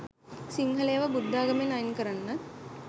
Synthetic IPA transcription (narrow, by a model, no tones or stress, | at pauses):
siŋɦɐlejəʋəbud̪ːaːɡɐmenɐjnkəɾanːə